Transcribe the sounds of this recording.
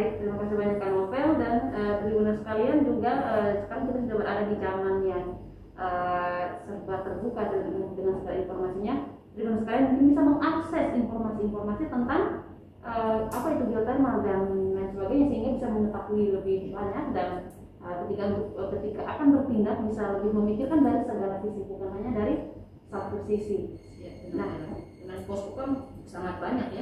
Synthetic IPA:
dmakasabaɲakːanofɛldanət̪ɾibunansə̥kaliand͡ʒuɡaəsə̥kaɾaŋkit̪at̪idaʔbərʔadadid͡ʒamanjaŋ | ʔəsərbat̪ːərbukadədəŋansəɡala̰infɔrmasiɲapɾibunansə̥kalianmũŋkɪnbisaməŋʔaksɛsinformasiːnformasit̪ənt̪aŋ | ʔəapait̪ubiot̪ərmaldanansəbaɡajɲasəɦiŋɡabisaməŋət̪akuiləbɪhbaɲak̚dan | ʔəkət̪ikaunt̪ʊk̚əpət̪ikaʔa̰kanbərpindak̚bisaləbɪhməmikɪrkandaɾisəɡalasisik̪udamaɲadaɾi | sat̪usisi | adəŋanɔt̪ukansaŋat̪̚baɲak̚ja

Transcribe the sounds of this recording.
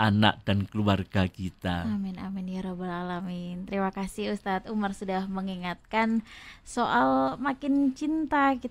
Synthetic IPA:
ʔana̰k̚d̥ankəluarɡakit̪aamɪna̰mɪnjaɾobalalamit̪əɾimakasɪɦust̪at̪umarsudahməŋiŋat̪̚kansoʔalmakɪnt͡ʃint̪akit̪

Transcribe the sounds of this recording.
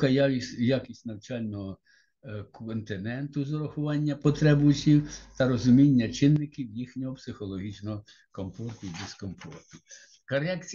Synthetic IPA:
kɐjaisʲjakʲisʲtʲnɐwt͡ʃɑlʲnɔɦɔ | kɔnt̪ɪnɛnt̪ʊzɔɾɔxʊʋɑnʲːɐpɔt̪ɾɛbʊsʲiwt̪ɐɾɔzʊmʲinʲːɐt͡ʃɪnːɪkʲiwjixnʲɔɦɔpsɪxɔlˠɔɦit͡ʃnɔɦɔ | kɔmfɔrt̪ʊid̪eskɔmfɔ̰rt̪ʊ | kɐɾɛkt͡sʲ

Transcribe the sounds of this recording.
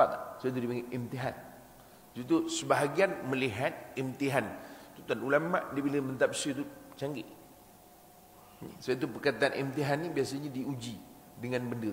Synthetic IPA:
at̪asajat̪̬udipaŋinʔimt̪iɦan | sut̪usəbaɦaɡianməliɦat̪̚imt̪iɦant̪ut̪anulamːaʔdibiləmənt̪ap̚sjət̪ut͡ʃaŋɡiʔ | sajt̪̬upərkat̪aanʔimt̪iɦanːibiasaɲadiud͡ʒi | dəŋanbəndə

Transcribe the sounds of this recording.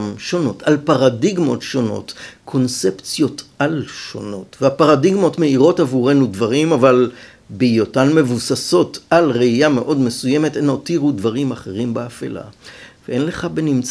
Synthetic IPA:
mʃo̞no̞talpaʁadiɡmo̞̰tʃo̞no̞̰tkʰo̞nsept͡sjo̞tʔalʃo̞̰no̞tveapaʁadiɡmo̞tme̞iʁo̞tavuʁe̞nudvaʁimaval | beijotanme̞vusaso̞talʁeijame̞ʔo̞dme̞suje̞me̞tenotiʁudvaʁimaχe̞ʁimbeafḛla̰veʔenle̞χabenimt͡s

